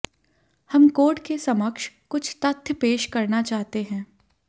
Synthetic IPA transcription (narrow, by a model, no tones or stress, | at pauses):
hɐmkoːɾʈkesɐməkʃkʊt͡ʃʰt̪ət̪ʰjəpeːʃkɐɾnat͡ʃaːɦt̪eɦɛ̃ː